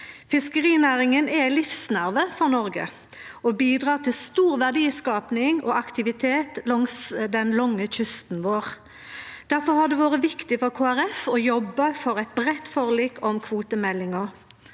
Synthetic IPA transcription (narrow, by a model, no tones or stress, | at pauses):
fɪskəʁiːnæːʁɪŋənɛlɪfsnæʁʋəfɔʁnɔʁɡə̰ | ʔɔbiːd̪ʁɑːʁt̪ʰɪlst̪uːʁʋæʁd̪iːskɑːpnɪŋɔʔɑkt̪ɪʋɪt̪ʰeːt̪lɔŋsd̪ɛnlɔŋːəçʏst̪n̩ʋoːʁ | d̪̥æʁfɔhɑd̪ɛʋoːʁəʋɪkt̪ɪfɔʁkʰoːæʁɛfɔjɔbːəfɔʁɛɪt̪̚bʁɛt̪ːfɔʁliːkʰɔmkʰʋuːt̪əmɛlːɪŋɔ